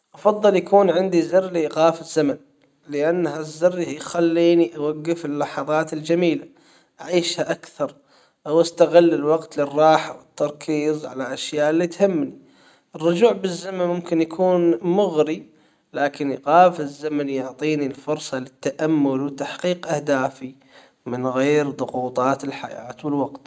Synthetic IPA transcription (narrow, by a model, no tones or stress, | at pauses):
ʔɑfɑðˤːɨljakuːnʕɪnd̪izɪrːliʔɣaːfɪzːaman | lɪʔanːɦazːɪrːjxalːiːniʔawaɡːɪfɪlːɑħɑðˤɑːt̪ɪld͡ʒamiːla | ʔaʕiːʃhaʔakθɑɾˤ | ʔawʔast̪aɣɪlːɪlwaqt̪lɪrˤːɑːħawɪt̪ːɑɾˤkʰiːzˤʕa̰laʔaʃjaːʔɪlːit̪hɪmːni | ʔɪrːʊd͡ʒuːʕbɪzːamanmʊmkɪnjakʰuːnmʊɣɾi | laːkɪnjɣaːfɪzːamanjʊʕt̪ˤiːnilfʊɾsˤɑlɪt̪ːaʔamːʊlwɪt̪ːaħqiːqʔahd̪aːfi | mɪnɣeːɾðˤʊɣuːt̪ˤɑːt̪ɪlħa̰ja̰ːt̪wɪlwaɡt̪